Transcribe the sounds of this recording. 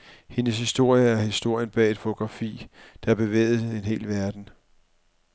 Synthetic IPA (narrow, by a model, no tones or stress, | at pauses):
he̝nəshisd̥o̝ɐ̰jəæɐhisd̥o̝ɐ̰jənb̥ɛ̰ːed̥fo̝t͡sʰo̝ɡ̥ʁɑ̈fḭːd̥ɑ̈æɐb̥e̝ʋḛːð̩ˠe̝nɦe̝̰ːlʋæɐd̥n̩